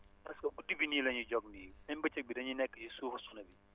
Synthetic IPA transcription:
tɐskɐbudibinilɐɲiɟɔɡ̚nijɐɲbɐt͡ʃɐk̚bidɐɲinɛkːət͡ʃisuːfɐsunɐbi

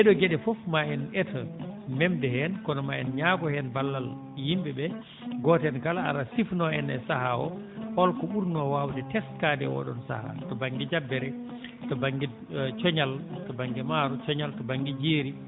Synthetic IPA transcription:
ʔɛɗɔɡɛɗɛfofmaɛnɛtʰamɛmdɛhɛnkɔnɔmaɛnɲaɡɔhɛnbalːal | jimbɛbɛ | ɡɔtɛnkalaa̰ɾasifnɔɛnɛsahaɔ̰hɔlkɔɓuɾnɔwawdɛtɛskaːdɛ̰wɔ̰ɗɔ̰nsa̰ha̰tɔbaŋɡid͡ʒabːɛɾɛtɔbaŋɡi | t͡ʃɔɲaltɔbaŋɡɛmaːɾɔt͡ʃɔɲaltɔbaŋɡid͡ʒeːɾi

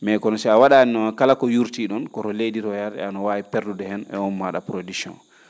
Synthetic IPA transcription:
mɛkɔnɔsɛawaɗaninɔkalakɔjuɾtiɗɔnkɔɾɔlediɾɔjaɾdɛ̰anɔwaːipɛɾdudɛhɛnɛ̰ɔnmaɗa̰pɾodiksɔ̰̃n

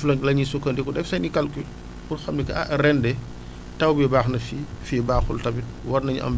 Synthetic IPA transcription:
flɐŋlɐɲisukːɐndɛkɔdɛfsɐjnikɐlkyl | kurxɐmnikɐa̰ʔrɛndɛ | tɐwbɛbaːxnɐfifibaːxultɐbit̚wɐrnɐɲʔɐ̰mb

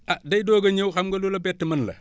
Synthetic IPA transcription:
ʔɐdɐjdɔːɡɐɲɐwxɐmɡɐlulɐbɛtːəmɐnlɐ̰

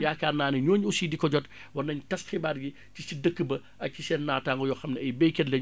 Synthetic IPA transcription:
jaːkaːnaːnɐɲɔːɲusidikɔɟɔt | wɐnɐɲtɐsxibaːdɡi | cisidəkːəbɐ | ʔɐk̚cisɛːnːaːtaːŋɡɔjɔxɐmnɛɐjbɛjkɛtlɛɲ

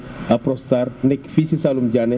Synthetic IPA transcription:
apɾɔstarnɛkfisisaːlumɟanɛ

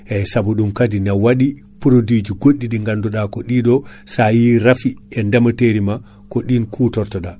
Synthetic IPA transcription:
ʔɛsabuɗumkadinawaɗi | puɾodid͡ʒiɡoɗːiɗiŋɡanduɗakɔɗiɗɔsajiɾafiɛndamateɾima | koɗinkʰutɔɾtɔɗa

